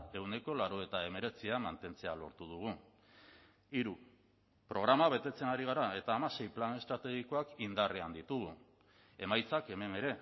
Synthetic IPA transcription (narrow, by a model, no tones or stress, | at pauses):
e̞wne̞ko̞laɾoe̞t̪ae̞me̞ɾe̞t͡siamant̪e̞nt͡se̞alo̞̰ɾt̪uð̞uɣ̞u | iɾu | pɾo̞ɣ̞ɾamaβe̞t̪e̞t͡se̞naɾiɣ̞aɾae̞t̪aːmase̞jplane̞st̪ɾat̪e̞ɣiko̞akind̪areand̪it̪uɣu | e̞majt͡sake̞me̞ne̞ɾe̞